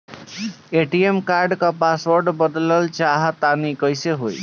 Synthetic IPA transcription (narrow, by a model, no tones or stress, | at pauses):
eʈiemkaɾɖkãpaswəɾɖbəd̪ləlt͡ʃaɦt̪anikəjseɦoj